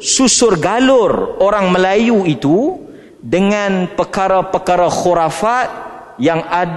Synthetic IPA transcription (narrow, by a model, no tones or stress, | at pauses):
susʊrɡalʊroɾaŋməlajuit̪u | dəŋãnpərkaɾapəkaɾaxoɾafat̪̚ | jaŋad